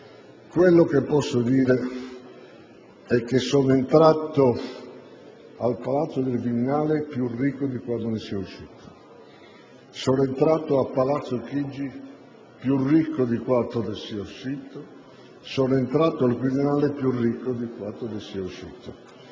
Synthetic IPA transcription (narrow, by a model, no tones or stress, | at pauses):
kwelːok̟epːɔsːod̪iːɾe | ɛk̟ːesːonent̪ɾat̪ːo | alpalat̪sːod̪elviminaːlepjurːikːod̪ikwand̪onɪsiɛuʃːiːt̪o̥ | sɔnoent̪ɾaːt̪oapːalat̪sːokid͡ʒːi | pjurikːod̪ikwat̪ːoresiauʃːiːt̪o | sɔnoent̪ɾaːt̪ːoalkɾid̪inaːlepjurːikːod̪ikwat̪ːoresiɛuʃːḭːt̪o